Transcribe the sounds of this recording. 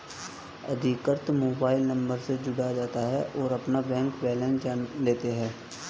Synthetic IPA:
ɐ̰d̪ʱikəɾt̪moːbaːɪlnə̃mbəɾsed͡ʒʊɽad͡ʒaːt̪aɦɛʔɔːɾɐpnabɛ̃ːŋkbɛːlɛ̃ːnd͡ʒaːnleːt̪eɦɛ̃ː

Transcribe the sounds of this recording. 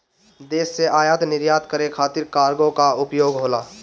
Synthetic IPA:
d̪eːsːeʔaːjaːt̪nɪɾjaːt̪kəɾekʰaːt̪ɪɾkaːɾɡõkaʊpjoːɡɦoːlaː

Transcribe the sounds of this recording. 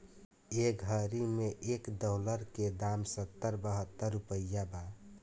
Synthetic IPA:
eɡʱəɾimẽʔeːkd̪ɔːləɾked̪amsət̪ːəɾbəɦət̪ːəɾːupəjːaba

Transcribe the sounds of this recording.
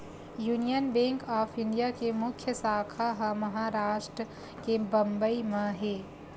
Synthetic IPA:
juːnijənbẽːŋkɔːpʰɪ̃ɳɖijakemʊkʰjəsaːkʰaɦəməɦaɾaːʃʈɾə | kebə̃mbəimãɦeː

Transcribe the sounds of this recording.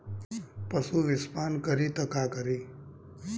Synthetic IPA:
pəsuːʋɪspaːnkəɾiːt̪əkaːkəɾiː

